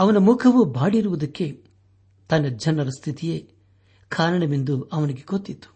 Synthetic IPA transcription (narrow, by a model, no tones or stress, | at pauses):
ɐʋɐnɐmukʰɐʋubaːɽiɾuʋud̪ɐkːe̞ | t̪ɐnːɐd͡ʒɐnːɐɾɐst̪ʰit̪ijeː | kʰaːɾɐɳɐmend̪uɐʋɐniɡe̞ɡot̪ːit̪ːu̥